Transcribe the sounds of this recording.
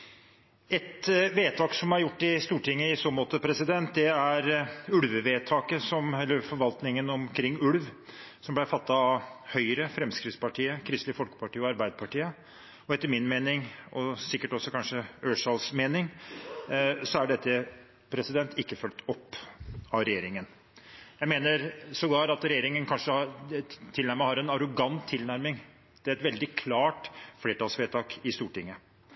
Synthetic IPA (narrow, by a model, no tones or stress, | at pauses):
ɛt̪ʋeːt̪ʰɑːksɔmæɾjʊʈːɪst̪uːʈʰɪŋːəɪsoːmoːt̪əpʰɾɛsɪd̪ɛnt̪̚d̪ɛæɾʉlʋəʋeːt̪ʰɑːkəsɔmɛlːəɾfɔɾʋɑlt̪nɪŋənɔmkʰɾɪŋːʉlʋsɔmblæɪfɑt̪ːɑɑhœʏɾəfɾɛmskɾɪt̪spɑʈʰiːəkʰɾɪst̪lɪfɔlkə̥pɑʈiːəɔɑɾbæɪd̪əpʰɑʈiːə | ɔɛt̪ːəɾmɪnmeːnɪŋʔɔsɪkːəʈɔsːɔkʰɑnʂəøːʂɑlsmeːnɪŋ | sɔæɖɛt̪ːə | pʰɾɛsɪd̪ɛnt̪ʰɪkːəfœlt̪ɔpːɑʋɾɛjeːɾɪŋən | jæɪmeːnəɾsɔɡɑːɾɑt̪ɾɛjeːɾɪŋənkʰɑnʂə | t̪ʰɪlnæɾməhɑɾɛnɑɾʊɡɑnt̪ʰːɪlnæɾmɪŋ | d̪̥ɛæɾɛt̪ʋɛld̪ɪkʰlɑːʈfleːʈɑːlsʋeːt̪ʰɑːkɪst̪uːʈɪŋːə